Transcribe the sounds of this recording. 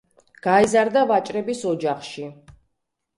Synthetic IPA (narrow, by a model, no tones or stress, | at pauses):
ɡ̥aizaɾd̪avat͡ʃʼɾɛbisɔd͡ʒaχʃi